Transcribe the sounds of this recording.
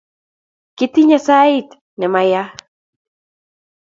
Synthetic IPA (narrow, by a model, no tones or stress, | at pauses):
kit̪iɲasajt̪ | nemaja